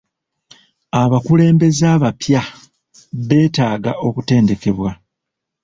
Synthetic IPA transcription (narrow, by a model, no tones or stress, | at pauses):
aβakule̞ːmbe̞zaːβapja | βe̞ːtaːɡaʔo̞kute̞ːnde̞ke̞βwa